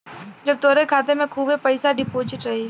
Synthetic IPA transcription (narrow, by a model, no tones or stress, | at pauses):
d͡ʒɐb̚t̪oːɾekʰaːt̪emẽkʰuːbepəɪsaɖɪpoːt͡ʃɪʈɾɐɦiː